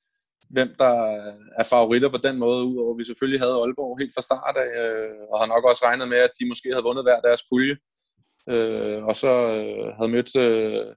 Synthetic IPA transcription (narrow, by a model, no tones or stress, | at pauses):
ʋem̰d̥ɑ̈ | æɐfɑ̈o̝ʁid̥ɐpʰɒ̽d̥enmɔ̽ːð̞̩ˠuð̰ˠɒʋis̬eføljiɦæð̞ˠɒ̽lb̥ɒʊ̰e̝̰ːl̥fɑ̈sd̥ɑ̰̈ːd̥ɛøɒ̽hɑ̈nɒ̽ɡ̥ɒ̽sʁɑ̈ɪnð̩ˠmeæd̥imɒ̽sɡ̥e̝̰ːhæðˠʋɔ̽nð̞̩ˠʋæɐ̰d̥æɐspʰuljə | øɒ̽sɒ̽øɦæð̞̩ˠmød̥ø